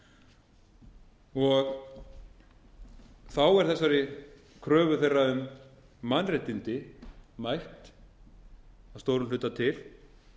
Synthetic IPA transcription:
ɔɣ | θawɛɾ̥θɛsːaɾɪ | kʰɾœːvʏθejrːaʏmː | anret̪int̪ɪmajht̪ | ast̪owɾʏmlʏːt̪at̪ʰɪl

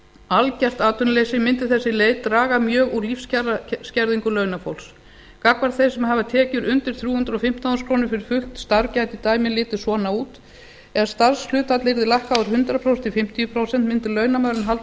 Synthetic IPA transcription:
alcɛr̥t̪aːt̪ʏnlejsɪmɪnt̪ɪ̥θɛsːɪleːjt̪ɾaːɣamjœːɣuɾlifscɾscɛɾðiŋkʏlœːɥnafowls | kakvaɾ̥t̪θejsɛmɦaːvat̪ʰɛːcʏɾʔʏnt̪ɪɾ̥θɾjuːhʏnt̪ɾɔfɪm̥t̪awskʰɾoːwnɪɾfɪɾɪɾ̥fʏht̪st̪aɾcajt̪it̪aːjmɪnlɪːt̪ɪsɔːnauːt̪ | ɛðst̪aɾ̥slʏːt̪at̪lɪɾðɪlajhkawʏɾ̥hʏnt̪ɾapʰɾowsɛnt̪ɪfɪm̥t̪ijʏpʰɾowsɛn̥t̪mɪnt̪ɪlœːɥnamaːɾɪnɦalt̪

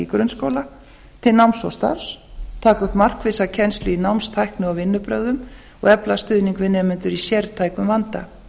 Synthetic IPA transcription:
ikɾʏnskoːwla | t̪ʰɪlnawmsɔst̪a̰ɾ̥st̪ʰaːkʏht̪mar̥kvɪsacʰɛnst̪lʏinawmst̪ʰajhknʏawvɪnːʏpɾœɣðʏm | ɔɣɛplast̪ʏðniŋkvɪnːɛmʏnt̪ʏɾisjɛɾt̪ʰaːjkʏmvant̪a̰

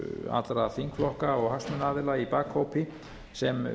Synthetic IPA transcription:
a̰t̪lɾaθiŋkflɔhkaɔɣɦasmʏnaːðɪlaipaːkhowpɪ | sɛm

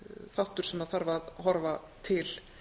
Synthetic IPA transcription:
θawht̪ʏɾ̥sɛmaðθaɾvaðɦɔɾvat̪ʰɪl

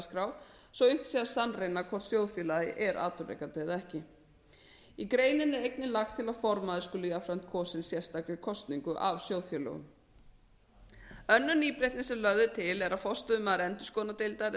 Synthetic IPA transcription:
skɾaw | sɔɣʏm̥t̪siasanːrejnakʰɔɾ̥sjowðfjœlajɪ̰ʔɛɾʔa̰ːt̪ʏɾrḛjkat̪eːðɛhcɪ | ikɾeːjnɪnɛɾejknɪlaxt̪ʰːɪlaðfɔɾmaðɪskʏlʏjafɾam̥t̪̚kʰɔːsɪnsjɛr̥st̪aklɪkʰɔst̪niŋkʏʔavsjowðfjœlœ̰ɣʏ̰m | œnːʏniːpɾejht̪nɪsɛmlœɣðɪt̪ʰɪlɛɾaðfɔst̪ʏʏmːaðɾɛnt̪ʏ̥skɔːnat̪ejlt̪aɾ

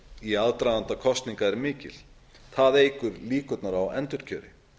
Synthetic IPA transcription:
iaðt̪ɾajðant̪akʰɔst̪niŋkaɛɾmɪːcɪ̰l̥ | θaðeːjkʏɾliːkʏt̪naɾawɛ̰nt̪ʏɾ̥cʰœːɾɪ̰

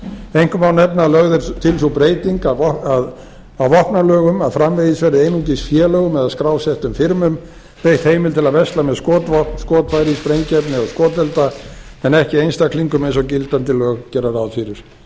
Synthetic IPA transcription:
ejŋ̥kʏmawnɛp̚nalœɣðʏɾt̪ʰɪlsupɾeːjt̪iŋkaað | awvɔhpnalœːɣʏmaðfɾamvejɪsvɛɾɪejnut̪̬isfjɛːlœːɣʏmɛðaðskɾaːwsɛht̪ʏmfɪɾmʏm | rejht̪hejmɪlt̪ʰɪlaðvɛst̪lamɛðskɔːt̪vɔskɔːt̪fajɾispɾejncɛpnɪaðskɔːt̪ɛlt̪aɛnɛhcɪejnst̪akʰliŋkʏmejnsɔcɪlt̪ant̪ɪlœːɣcɛːɾaɾawðfiɾɪɾ̥

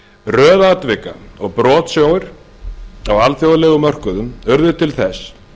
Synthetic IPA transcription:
rœːðaːt̪vɪka̰ɔɣpɾɔːt̪sjoːwɪɾ̥ | awalθjowðalɛɣʏmœr̥kʏðʏmʏɾðʏt̪ʰɪlθɛs

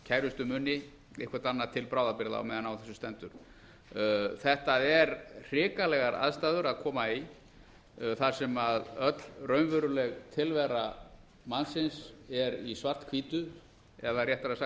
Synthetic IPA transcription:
cʰajɾʏst̪ʏmʏnːɪ | ḛhkʰvaɾt̪anːat̪ʰɪlpɾaːwðapɪɾða̰mɛðanawθɛsːʏ̥st̪ɛnt̪ʏɾ̥ | θɛht̪aðɛɾr̥ɪːkalɛɣaɾa̰ðst̪aːðʏɾaðkʰɔːmai | θaɾ̥sɛmaðœt̪lrœɥmvʏɾʏlɛɣt̪ʰɪlvɛɾa | mansɪnsɛɾisvar̥t̪kʰviːt̪ʏ | ɛðarjɛht̪aɾaðsa

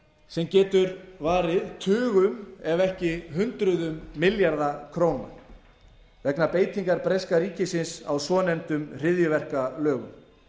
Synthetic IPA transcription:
sɛmcɛːt̪ʏɾvaːɾɪðt̪ʰʏːɣʏmɛvɛhcɪɦʏnt̪ɾʏðʏmːɪljaɾðakʰɾoːwna̰ | vɛknapeːjt̪iŋkaɾpɾejskaɾiːcɪsɪnsa̰wsɔːnɛnt̪ʏmr̥ɪðjʏvɛr̥kalœːɣʏ̰m

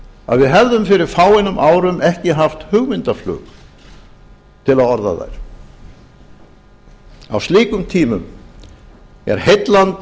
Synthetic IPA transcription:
a̰ðvɪðɦɛvðʏmfɪɾɪɾ̥faːwɪnʏmʔaːwɾʏmʔɛhcɪɦaft̪hʏɣmɪnt̪aflʏ̰ːɣ | t̪ʰɪlaðɔɾða̰ða̰jɾ̥ | a̰wst̪liːkʏmt̪ʰiːmʏm | ɛ̰ɾ̥hejt̪lant̪

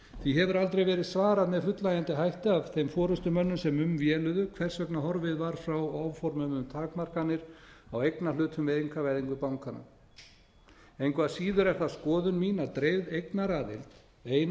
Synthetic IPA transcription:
θiɦɛvʏɾalt̪ɾejvɛːɾɪðsvaːɾaðmɛðfʏt̪lajant̪ɪɦajht̪ɪavθejmfɔːɾʏst̪ʏmœnːʏmsɛmʏmvjɛːlʏðʏkʰvɛr̥sœknaɦɔɾvɪðvaɾ̥fɾawaːwvfɔɾmʏmʏmt̪ʰaːkmar̥kanːɪɾawejknalʏːt̪ʰʏmvɛðiŋkʰavajðiŋkʏpawŋkana̰ | ejnkʰvaðsiːðʏɾɛr̥t̪askɔːðʏnmiːnat̪ɾejvðejknaɾaːðɪ̰lt̪ | eːjn

